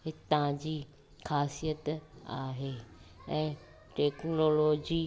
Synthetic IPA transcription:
ɦɪt̪ãd͡ʑiː | xaːsijət̪aːɦeːɛ̃ː | ʈeːknoːloːd͡ʑiː

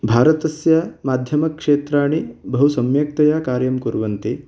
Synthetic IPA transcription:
bʱaːɾɐt̪ɐsjɐmaːd̪ʱjɐmɐkʂeːt̪ɾaːɳibɐɦusɐmjɐk̚t̪ɐjaːkaːɾjɐmkuɾʋɐnt̪i

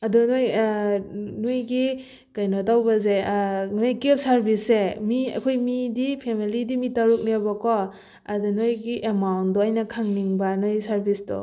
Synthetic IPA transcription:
ɐdunoj | nojɡi | kajnɔtawbɐzenojkep̚saɾbʱisemiɐ̰kʰojmidipʰemilidimitawɾuk̚nebakɔ | adɔnojɡiʔemawntdɔajnɐkʰaŋniŋbɐnojsaɾbisdɔ̰

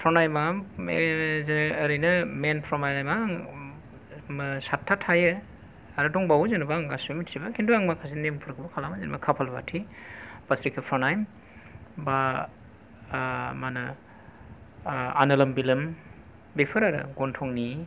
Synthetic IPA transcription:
pʰɾɔnajmaezːɾɯjnɐmenpʰɾɔnajnajmaŋ | msatʰːatʰːajɯ | aɾɯtɔŋbawzenbaŋɡasumitsibakʰinduaŋmakʰas̬inempʰɯɾkʰɯbɐkʰalamazenma̰kʰapʰalba̰tʰib̥asɾikʰepʰɾɔnajm | ba | manɐ | a̰nɐlɐmbilɯm | bepʰɯɾaɾɯ̰ɡɔntʰɔŋni

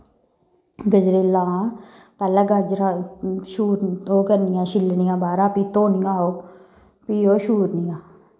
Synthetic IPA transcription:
ɡəd͡ʒɾeːlãː | pɛːlaɡad͡ʒɾaʃuːɾoːkəɾnɪjãːʃɪlnɪjãːbaːɾaːpiːt̪oːnɪjãːɦoː | piːɦoːʃuːɾnijãː

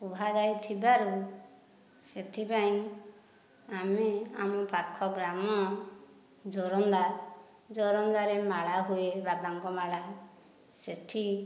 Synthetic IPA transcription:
ubʱad͡ʒajt̪ʰibaɾu | set̪ʰipaĩ | amea̰mɔpakʰːɔɡɾamɔ | d͡ʒoɾɔnd̪a | d͡ʒoɾɔnd̪aɾemaɭaɦuebabaŋkɔmaɭa | seʈʰi

